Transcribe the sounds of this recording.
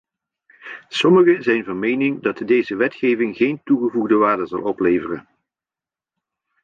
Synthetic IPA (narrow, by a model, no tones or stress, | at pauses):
sɔməχəzɛjnvɑnmejnɪŋdɑtdejzəʋɛtχejvɪŋχejntuɣəvuɣdəʋaːɹdəzɑ̰lˠɔplejvərən